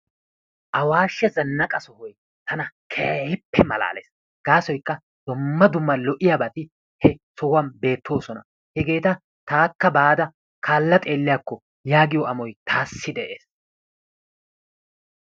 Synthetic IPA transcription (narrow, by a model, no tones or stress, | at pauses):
ʔɐwaːʃːɛzɐnːɐkʼɐsɔhɔj | t̪ʰɐnɐkʰeːhɪpːɛmɐla̰ːlḛːs | ɡ̥aːsɔjkːɐ | d̪̥ʊmːɐd̪ʊmːɐlɔʔɪjabɐt̪ɪ | hɛsɔwɐnbe̞ːt̪ːo̞ːsɔnɐ | hɛɡe̞ːt̪ɐ | t̪aːkːɐbaːd̪ɐ | kʰaːlːɐt̪ʼe̞ːlːɪjakːɔ | jaːɡɪjɔʔɐmɔjt̪ʰaːsːɪd̪ɛʔeːs